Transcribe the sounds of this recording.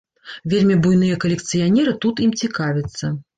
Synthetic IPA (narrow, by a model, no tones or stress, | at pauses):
vʲelʲmʲibujnɨjɐkɐlʲɪkt̪sɨjanʲɛɾɨt̪ut̪imt͡sʲikavʲɪt̪sːɐ